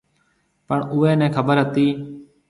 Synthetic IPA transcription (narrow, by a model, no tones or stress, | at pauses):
pəɳʊːeːnɛ̃ːkʰəbəɾɦət̪iː